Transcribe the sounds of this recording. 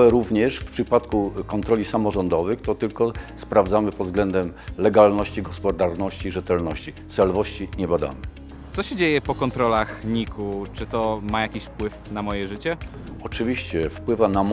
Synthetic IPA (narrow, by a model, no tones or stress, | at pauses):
ɛɾuvɲɛʂfpʂɘpat̪kukɔnt̪ɾɔlʲisamɔʐɔnd̪ɔvɘxt̪ɔt̪ɘlkɔspɾavd̪zamɘpɔd̪zɡlɛnd̪ɛmlɛɡalnɔɕt͡ɕiɡɔspɔd̪aɾnɔɕt͡ɕiʐɛt̪ɛlnɔɕt͡ɕit̪sɛlvɔɕt͡ɕiɲɛbad̪a̰mɘ | t̪sɔɕɛd͡ʑejɛpɔkɔnt̪ɾɔlaxɲikut͡ʂɘt̪ɔmajakʲiɕfpwɘfnamɔjɛʐɘt͡ɕɛ | ɔt͡ʂɘvʲiɕt͡ɕɛfpwɘvanam